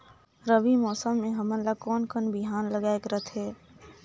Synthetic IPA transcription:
ɾəʋimɔːsəmːẽɦɐmənlakɔːnkənbiɦaːnləɡaːekɾət̪ɦɛː

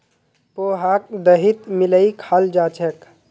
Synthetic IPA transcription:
poːɦaːk̚d̪əɦit̪mɪləikʰaːld͡ʒaːt͡ʃək

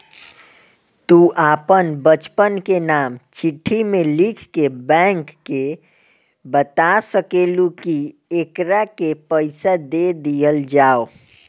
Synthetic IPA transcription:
t̪uʔaːpənbət͡ʃpənkenamt͡ʃiʈʰːimelikʰkebɛ̃ŋkːe | bət̪asəkelukiekɾakepəɪsad̪ed̪ijəld͡ʒaːo

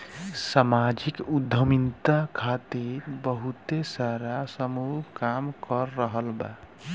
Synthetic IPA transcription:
samad͡ʒikud̪ʱəmint̪akʰat̪iɾbəɦut̪esaɾasəmukamkəɾːəɦəlba̰

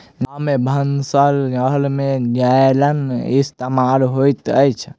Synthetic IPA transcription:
namebʱənsələɦlmẽd͡ʒaelənist̪emalɦojt̪əjt͡ʃʰ

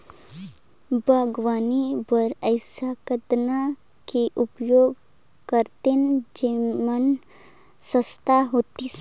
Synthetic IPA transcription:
bʱəɡʋaːnibəɾəɪsakəd̪na | kiʔupjoːɡ | kəɾt̪end͡ʒimən | səst̪aɦoːt̪i

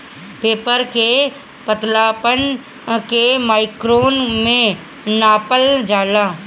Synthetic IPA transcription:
peːpəɾke | pət̪laːpən | kemaːɪkɾoːnmẽ | naːpəld͡ʒaːlaː

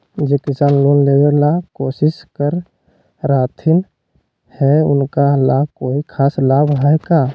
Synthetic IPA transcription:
d͡ʒekɪsaːnloːnleːɡelakoːsɪskəɾ | ɾaːt̪ʰɪn | hɛʊ̰nkalaːbkoːikʰaːslaːbʱɦaka

